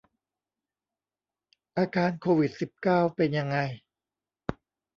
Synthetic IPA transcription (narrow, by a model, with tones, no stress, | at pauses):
ʔaː˧kʰaː˧nkʰoː˧wi˨˩t̪̚si˨˩p̚kaː˥˩wpe˧nja˧ŋːa˧j